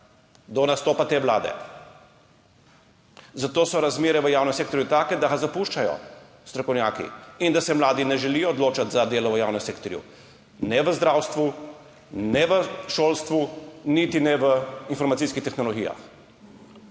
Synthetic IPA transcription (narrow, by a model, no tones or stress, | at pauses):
d̪ɔnast̪oːpat̪eːʋlaːd̪ɛ̰ | zat̪oːsɔɾazmeːɾɛʋəjaːwnɛmseːk̚t̪ɔɾjut̪aːkɛd̪aɣazapuʃt͡ʃajɔ̰ | st̪ɾɔkɔwnjaːkḭind̪asɛmlaːd̪inɛʒɛlijɔːd̪loːt͡ʃat̪zad̪eːlɔʋəjawnɛmseːkt̪ɔɾjṵ | nɛʋəzd̪ɾaːwst̪ʋu | nɛʋəʃoːlst̪ʋunit̪inɛʋəinfɔɾmat̪siskixt̪ɛxnɔlɔɡiːja̰x